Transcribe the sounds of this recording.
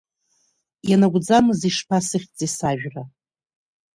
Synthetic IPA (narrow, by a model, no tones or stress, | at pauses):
janaɡʷd͡zamɨziʂpʰasɨχʲt͡sʼisaʒᶣra